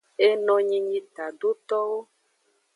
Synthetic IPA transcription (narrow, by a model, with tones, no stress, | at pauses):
e˦nɔ̃˨ɲĩ˦ɲĩ˦t̪a˨ɖo˦t̪ɔ˦wo˦